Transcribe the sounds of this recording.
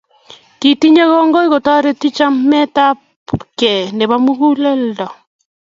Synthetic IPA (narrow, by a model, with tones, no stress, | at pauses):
ti˨ti˦ɲe˦ɣɔ˦ŋɡo˦i˦ɣo˨tɔ˦ɾe˦ti˦t͡ʃa˦mɛ˦ta˦ | pu˨kɛ˨ne˨βa˦mu˦ɣu˦le˦ldɔ˨